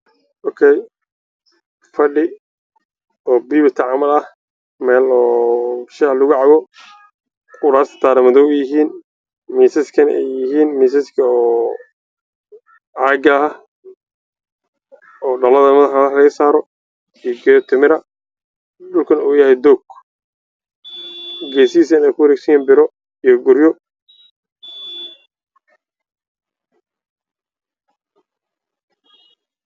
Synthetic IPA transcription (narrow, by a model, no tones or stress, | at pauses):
ʔɔːkʰɛj | fɐɖɪ | ɔːbiːβɪt̪ʰɐʕamɐlɐh | mɛːlɔːʃɛlʊɣʊʕɑɣɔ | qʊɽaːst̪ʰɐ̥t̪ʰaːɾɪmɐðɔjɪɦiːn | miːsɐskʰɐnʔɛ̰jːɪɦiːnmiːs̬ɐskʰɐɔː | ʕaːɡɐɐ | ɔːɖɐlɐðɐmɐðɐħɐɣħlɐɣɐsaːɾɔ | ijɡɛjt̪ʰɪmɪɾɐ | ɖʊlkʰɐnuːjɐhɛjd̪ɔːɡ̥ | ɡɛːsiiːs̬ɐnɛjkʰʊwɐɾɛːɡsɐjɛːnbɪɾɔ | ijɔɡʊɾjɔ